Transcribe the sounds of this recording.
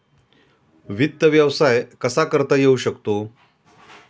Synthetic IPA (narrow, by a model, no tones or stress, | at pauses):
ʋit̪ːəʋjəʋsajkəsakəɾt̪əjeuɕəkt̪o